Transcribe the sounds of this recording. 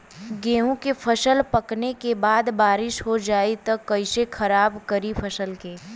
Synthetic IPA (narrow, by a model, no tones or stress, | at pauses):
ɡẽːɦũkefʰɐʃəlpɐknekebaːd̪baːɾɪʃɦod͡ʒaːit̪ɐkːɐɪsekʰɐɾaːbkɐɾifʰɐsəlkeː